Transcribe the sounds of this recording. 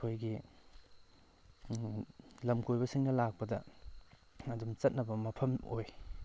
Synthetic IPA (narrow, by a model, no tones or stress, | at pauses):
ojɡi | lɐmkʰojbɐsiŋnɐlak̚pɐdɐ | ɐdumt͡ʃɐt̚nɐbɐmɐpʰɐmo̰j